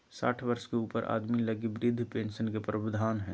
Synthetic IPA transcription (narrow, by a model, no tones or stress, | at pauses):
sa̰ːʈʰʋɐɾʃkeuːpəɾʔa̰ːd̪milɐɡiʋɾɪd̪ʱːpẽːnʃənkepɾəbəd̪ʱaːnɦɛ̰̃ː